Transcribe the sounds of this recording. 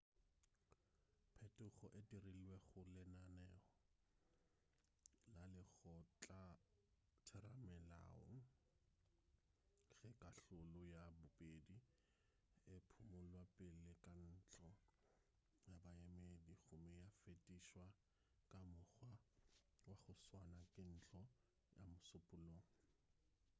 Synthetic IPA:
pʰɛtʼʊχɔʔetiriliweɣʊlɪnanɛːɔ | lalɪɣɔt͡ɬʼa | tʰɛɾamɛla̰ːɔ̰ŋ̩ | ɣɛkʼaɬʊlʊjabʊpʼedi | ɪpʰʊmʊlwapʼɪlɪkʼan̩t͡ɬʼɔ | jabajɛmediɣʊmɛjafetʼiʃwa | kʼamʊɣwa | waχʊswanakʼɪn̩t͡ɬʰʼɔ | ja̰mʊsʊpʼʊloːŋ̩

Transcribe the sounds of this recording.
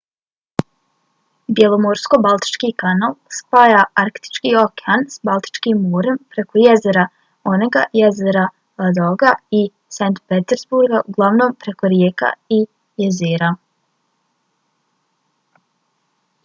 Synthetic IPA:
bje̞lˠo̞moɾsko̞balˠt̪i̥t͡ʃkiːkanalˠspaːjaaɾkt̪i̥t͡ʃkiːokeansbalˠt̪i̥t͡ʃkiːmːoːɾe̞mpɾe̞ko̞jezeɾa | o̞neɡajezeɾa | ad̪oɡai | sant̪pet̪eɾzbuɾɡaʔuɡlˠaʋno̞ːmpɾe̞ko̞ɾjeːka̰i | jezeːɾa

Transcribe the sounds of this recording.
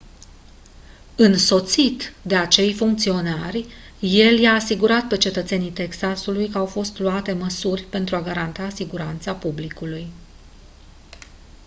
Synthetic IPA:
ɨnso̞t̪sit̪d̪e̞at͡ʃe̞jfuŋkt̪sio̞narʲ | je̞ljaːsiɡuɾat̪̚pe̞t͡ʃe̞t̪ət̪se̞nit̪e̞ksasulujkəawfo̞st̪luat̪e̞məsurʲpe̞nt̪ɾuaɡaɾant̪asiɡuɾant̪sapublikuluj

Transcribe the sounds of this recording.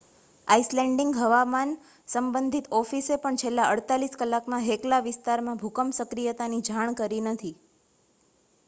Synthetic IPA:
aislɛɳɖiŋɡɦəʋaman | səmbənd̪ʱit̪ɔfisepəɳt͡ʃʰelːaʔəɽt̪aliskəlːakmãɦeklaʋɪst̪aɾmãbʱukəmsəkɾijət̪anid͡ʒʱaɳ̃kəɾinət̪ʰi

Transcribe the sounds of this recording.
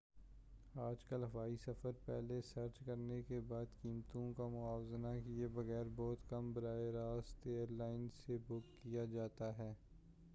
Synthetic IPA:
aːd͡ʒkɐlɦɐʋaːisɐfəɾpɛ̰ːlesɐɾt͡ʃkɐɾnekebaːd̪kiːmt̪õkamʊaːwznakijebɐɣɛːɾbɔːt̪kɐmbɐɾaːeɾaːst̪eːəɾlaːɪnsebʊkːijad͡ʒaːt̪aɦɛː

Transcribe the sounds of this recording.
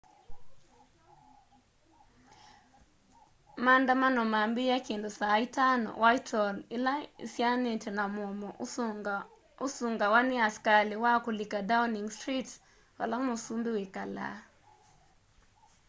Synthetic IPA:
mandamanɔmambɪjakendosaitanɔ̰wajtʰɔlla̰sjanɪtnamɔmɔ | osuŋɡawanɪaskalɪwakolikadawniŋstɾit | wa̰laŋmosumbiwekala̰

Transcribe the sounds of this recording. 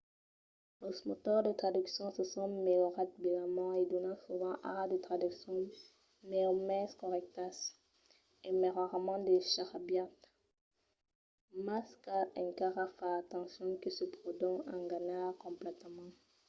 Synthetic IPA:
losmot̪ɔʁd̪ət̪χad̪yksjɔ̃səsɔ̃meɔʁat̪̚belamɔed̪ɔnɑ̃suvɑ̃ʔa̰ʁd̪ət̪χad̪yksjɔ̃ | meɔmɛskɔʁɛk̚t̪as | emeʁaʁamɑ̃d̪eʃaʁabjat̪ | maskaɛ̃ŋkaʁafaːt̪ɑ̃sjɔ̃kisəpχod̪ɔɑ̃ɡanaʁkɔ̃mplɛt̪mɑ̃

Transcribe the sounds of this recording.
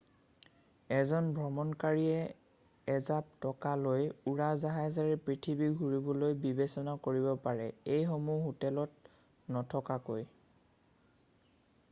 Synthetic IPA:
ɛzɔnbʱɹɔmɔnkaɹiɛː | zap̚tɔkalojuɹazaɦazaɹɛpɹitʰibiɡʱuɹibɔlojbibesɔnakoɹibɔpaɹɛejxomuɦutɛlɔt̚ | nɔtʰɔkakoj

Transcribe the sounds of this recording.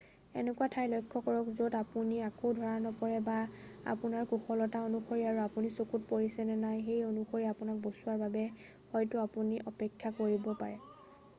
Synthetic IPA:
ɛ̰nɛkuwatʰajlɔjkʰːɔkɔɹɔkzodapuniakoʊdʱɔɹanɔpɔɹɛbaa̰pʊnaɹkuxɔlɔtaonuxoɹiaɹuapunisokut̚poɹisɛnɛnajxejonuxoɹiapʊnak̚bosuwaɹbabɛ | xɔjtuapuniʔɔpɛkʰːakoɹibɔpaɹɛ

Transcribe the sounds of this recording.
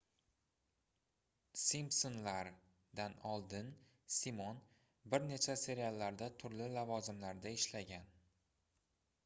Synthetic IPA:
simpsonlaɾ | d̪anɒlˠd̪ɪn | simon | bɪɾne̞t͡ʃʰase̞ɾialˠːaɾd̪at̪ʰʊɾlɪlavɒzɪmlaɾd̪aɪʃlaɡʲan

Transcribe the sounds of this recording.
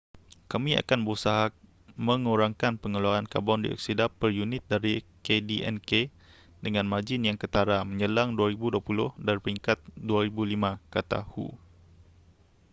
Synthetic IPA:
kamia̰kanbəɾusaɦa | məŋuɾaŋkanpəŋəlaanka̰bɔndḭʔɔ̰k̚sidapərjunɪt̪̚daɾikediʔɛ̰nke | dəŋãnmad͡ʒɪnjaŋkət̪aɾaməɲəlaŋduaɾibuduapulʊhdaɾipəiŋkat̪̚duaɾibulimãkat̪a̰hṵ

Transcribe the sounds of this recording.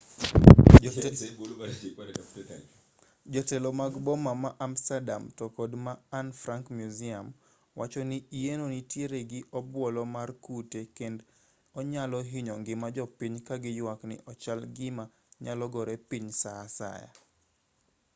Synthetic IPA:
d͡ʒɔtɛlɔmaɡbɔmamaʔamstada̰mtɔkodmaːnfɾaŋkmjuzia̰m | wat͡ʃɔniienonitjeɾeɡɪʔɔbwɔlɔmarkutekend | ɔɲalɔɦiɲɔŋɡɪmad͡ʒɔpiɲkaɡɪjwaknɪ̰ʔɔt͡ʃalɡɪma | ɲalɔɡɔɾepiɲsaːsa̰ja̰

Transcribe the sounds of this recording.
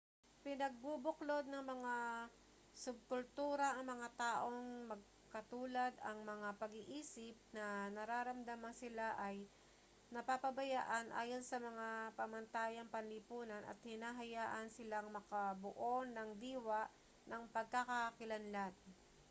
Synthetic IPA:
pɪnɐɡ̚bubʊklo̞d̪̚nɐŋmɐŋa | sʊb̚kʊlt̪uːɾɐʔɐŋmɐŋat̪aːʔo̞ŋmɐɡ̚ | kɐt̪uːlɐd̪ɐŋmɐŋapɐɡɪʔiːsɪp̚nɐnɐɾaːɾɐmd̪amɐnsɪlaʔɐj | nɐpapɐbɐjaːʔɐnʔa̰ːjo̞nsɐmɐŋapɐmɐnt̪aːjɐŋpɐnlɪpuːnɐnʔɐ̰t̪̚hɪnaːɦɐjaːʔɐnsɪlaŋmɐkɐbʊʔonːɐŋd̪iːwaʔ | nɐŋpɐɡ̚kakakɪlɐnlat̪̚

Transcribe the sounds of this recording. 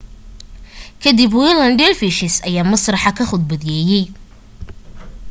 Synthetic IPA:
kʰɐd̪ibwilɐnɖɛlfiʃɪsɐjaːmɐsrɑħɑkʰɐχʊd̪̚bɐðɪjɛːjɛj

